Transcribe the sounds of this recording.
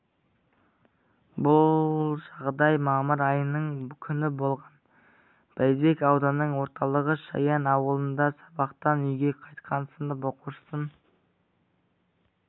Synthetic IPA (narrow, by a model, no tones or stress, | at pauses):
bʊlˠʒɑʁd̪ɑjmɑməɾɑjənəɴkʲʰʏnɪbo̞lˠʁɑn | b̥æjbe̞kɑwd̪ɑnːəɴwo̞ɾt̪ɑlˠəʁəʃɑ̰jɑnɑwəlˠənd̪ɑsɑbɑqt̪ɑnʏjɡʲe̞qʰɑjt̪qʰɑnsənd̪bo̞quʃsən